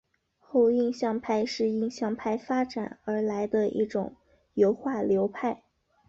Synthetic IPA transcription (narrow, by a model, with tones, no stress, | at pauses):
xo˥˧ʊi˥˧ŋɕjɑ˥˧ŋpʰa˥˧ɪʂɻ̩˥˧i˥˧ŋɕjɑ˥˧ŋpʰa˥˩ɪfa˥ʈ͡ʂa̰˨˩˦nə˞˧˥la˧˥ɪd̪ə˧ḭ˥˩ʈ͡ʂʊ̰˨˩ŋ | jo˧˥ʊxwa˥˩ljo˧˥ʊpʰa˥˩ɪ